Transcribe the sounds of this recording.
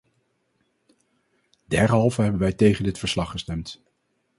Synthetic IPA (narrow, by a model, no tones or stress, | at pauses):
d̥ɛɹɦɑlˠvəɦɛbənʋɛjtejχəndɪtfəɹslɑχːəstɛmt